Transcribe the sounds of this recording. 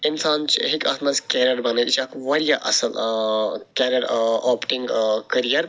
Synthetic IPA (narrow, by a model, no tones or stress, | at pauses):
ɪnsaːnt͡ʃʰiɦikɐ̰ːt̪mɐzkʲeːɾɐɾbɐnɐlt͡ʃʰakʋɐɾijaʔɐ̰sɐl | kʲeːɾɐɾoːpʈiŋɡkɐɾijɐɾ